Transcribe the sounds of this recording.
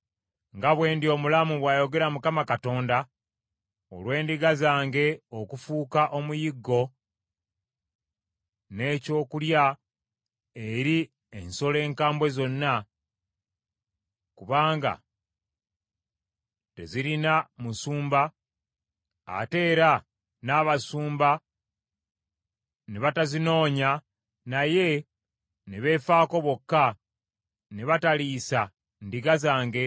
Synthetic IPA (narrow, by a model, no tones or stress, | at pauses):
ŋɡaβwe̞ːndio̞ːmulamuβwaːjo̞ɡe̞ɾamukamakato̞ːnda | o̰lwe̞ːndiɡazaːŋɡe̞o̞kufuːkaʔo̞mujiɡːo̞ | ne̞ːco̞ːkulja | e̞ɾi | e̞nso̞le̞ːŋkaːmbwe̞zo̞nːa | kuβaːŋɡa̰ | te̞ziɾinamusuːmba | a̰te̞ːɾa | naːβasuːmba | neβatazino̞ːɲa | naje̞ | neβe̞ːfaːko̞βo̞kːa | neβataliːsa | ndiɡazaːŋɡe̞